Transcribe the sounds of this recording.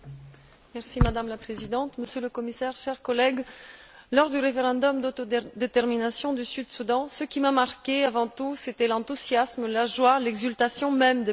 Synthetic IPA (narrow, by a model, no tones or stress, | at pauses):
mɛʁsimad̪amlapχezid̪ɑ̃t̪məsjøləkɔmisɛʁʃɛʁkɔlɛɡ | lɔʁd̪yʁefeʁɑ̃d̪ɔmd̪ot̪od̪et̪ɛʁminasjɔ̃d̪ysyd̪sud̪ɑ̃səkʲimamaʁkʲeavɑ̃t̪uset̪ɛlɑ̃t̪uzjasmlaʒwalɛɡzylt̪asjɔ̃mɛmd̪e